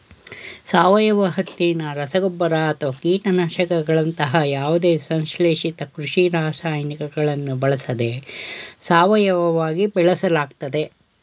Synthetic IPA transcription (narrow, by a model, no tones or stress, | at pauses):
saːʋɐjɐʋɐɦɐt̪ːinɐɾɐsɐɡɔbːɐɾɐːt̪ɐʋɐkiːʈɐnaʃɐkɐɡɐɭɐnt̪ɐɦɐjaːʋud̪e̞ːsɐnʃleːʂit̪ɐkɾuʂiɾaːsaːjɐnikɐɡɐɭɐnːubɐɭɐsɐd̪e̞saːʋɐjɐʋɐʋaːɡibɛɭɐsɐlaːɡt̪ɐd̪e̞